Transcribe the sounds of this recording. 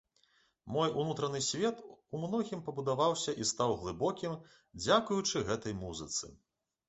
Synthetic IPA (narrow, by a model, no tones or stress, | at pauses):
mɔjunut̪ɾɐnɨsʲvʲɛt̪umnɔɣʲimpɐbud̪avawsʲɐʔist̪awɣlˠɨbɔkʲim | d͡zʲakujut͡ʂɨɣɛt̪ɐjmuzɨt̪sɨ̰